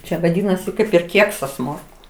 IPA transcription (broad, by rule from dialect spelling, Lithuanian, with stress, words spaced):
ˈt͡ʃʲɛ ʋɐˈdʲiːnɐsʲɪ ˈkɐɪp ɪr ˈkʲiɛksɐs ˈmoːrkʊ